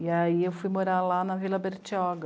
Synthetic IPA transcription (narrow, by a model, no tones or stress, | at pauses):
iaiewfujmoɾalanɐvilɐbeɾt͡ʃiɔɡɐ